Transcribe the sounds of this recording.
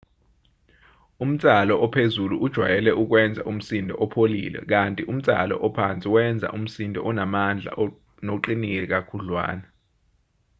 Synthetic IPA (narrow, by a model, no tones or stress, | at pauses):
um̩t͡sʼalɔʔɔpʰezuluʔud̥ʒ̥ʱwa̰jɛlɛʔuk̬wɛnd͡zʱa̰ʔum̩sindʱɔ̰ʔɔpʰolḭːlɛ̰k̬antʼiʔum̩t͡sʼa̰lɔ̰ʔɔpʰant͡sʼiwɛnd͡zʱa̰ʔum̩sindʱɔʔɔnamand͡ɮʱa̰ʔ | noǃinik̬ʼɛk̬akʰulwa̰ːnɛ